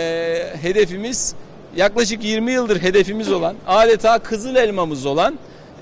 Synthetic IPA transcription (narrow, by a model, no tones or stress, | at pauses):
ɦe̞d̪e̞fimiz̥ | jaklˠaʃɯkjiɾmijɯlˠd̪ɯɾɦe̞d̪e̞fimizo̞lˠanaːd̪et̪ʰaːkʰɯzɯlˠɛlʲmamɯzo̞lˠan